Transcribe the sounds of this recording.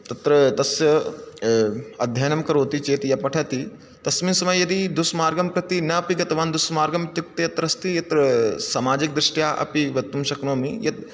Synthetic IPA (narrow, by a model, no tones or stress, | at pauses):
t̪ɐt̪ɾɐt̪ɐsjɐ | ɐd̪ʱjɐjnɐmkɐɾoːt̪it͡ʃeːt̪ijɐpɐʈʰɐt̪i | t̪ɐsminsɐmɐjjɐd̪id̪usmaːɾɡɐmkɾɐt̪inɐɐpiɡɐt̪ɐʋaːnd̪usmaːɾɡɐmt̪juk̚t̪ɐɐt̪ɾɐst̪ijɐt̪ɾɐsɐmaːd͡ʒik̚d̪ɾɪʂʈjaːʔɐ̰piʋɐt̪ːumʃɐknoːmijɐt̪̚